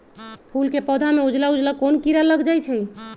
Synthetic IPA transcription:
pʰulkepɔd̪ʱameud͡ʒlaud͡ʒlakonkiɾaləɡd͡ʒajt͡ʃʰɛj

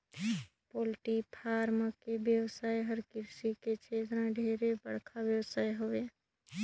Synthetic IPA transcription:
poːlʈipʰaːɾməkebjəwsaːeɦəɾkɪɾsiket͡ʃʰeːt̪ɾãɖʱeːɾebə̰ɽ̤kʰabjəwsaːeɦoeː

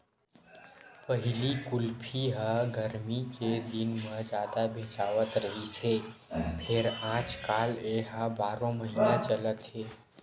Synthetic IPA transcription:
pəɦilikulpʰiɦaɡəɾmiked̪inməd͡ʒad̪abʱet͡ʃaʋət̪ɾəɦit͡ʃʰepʰeɾãt͡ʃkaleɦãbaɾõməɦinat͡ʃələt̪ɦe

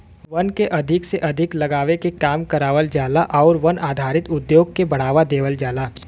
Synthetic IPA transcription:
ʋɐnkeʔɐd̪ʱɪkseʔɐd̪ʱɪklɐɡaːʋekekaːmkɐɾaːʋəld͡ʒaːlaʔɔːɾʋɐnaːd̪ʱaːɾɪt̪ʊd̪joːɡ̚kebɐɽ̤aːʋad̪eːʋəld͡ʒaːlaː

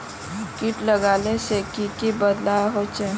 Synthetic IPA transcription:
kiʈləɡaːlesekikibəd̪laɦot͡ʃe

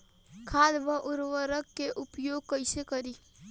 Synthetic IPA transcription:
kʰaːd̪bəʔʊɾʋəɾəɡkeʔʊpjoːɡ̚kəɪsekəɾiː

